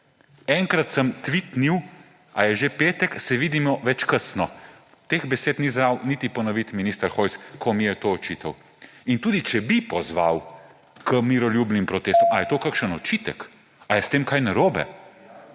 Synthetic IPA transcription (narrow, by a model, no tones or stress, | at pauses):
ɛŋkɾat̪səmt̪ʋit̪niw | ajɛʒepeːt̪ɛksɛʋiːd̪imɔʋɛt͡ʃkəsnɔ | t̪exbɛseːt̪nizɾawnit̪ipɔnɔʋit̪minist̪əɾxoj̪skʰɔmijɛt̪oɔt͡ʃiːt̪ɐw | int̪uːd̪it͡ʃɛbipɔzʋa̰w | kəmiɾɔlʲjubnimpɾɔt̪eːst̪ɔmajɛt̪oːkakʃənɔt͡ʃiːt̪ə̰k | ajɛst̪eːmkajnaɾoːbɛ̰